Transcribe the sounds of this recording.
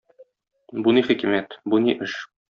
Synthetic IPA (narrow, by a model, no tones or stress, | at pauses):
buniχikimæt̪buniʔɘʃ